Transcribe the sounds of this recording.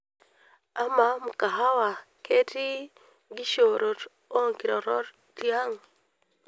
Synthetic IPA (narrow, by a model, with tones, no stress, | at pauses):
a˨ma˨mu˨ka˨ɦa˦wa˨kʰe˦ti˦ | ɡi˦ʃo˨ɾo˨t | o˦ŋki˨ɾɔ˨ɾɔ˦ɾ | ti˦a˦ŋ